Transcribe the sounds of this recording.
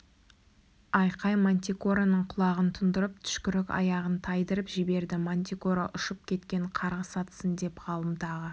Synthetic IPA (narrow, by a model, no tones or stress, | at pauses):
ɑjqʰɑjmonʲt̪ʲikoɾanəɴqʰʊlˠɑʁənt̪ʰʊnd̪əɾəp̚t̪ʰʏ̥ʃkʲʏɾɪkɑ̰jɑʁənt̪ʰɑjd̪əɾəpʒɪbe̞ɾd̪ɪmont̪ʲikoɾa̰ʔʊʃəp̚kʲʰe̞t̪kʲe̞ɴqʰɑɾʁəsɑt̪ə̥sənd̪e̞pʁɑlˠəmd̪ɑʁə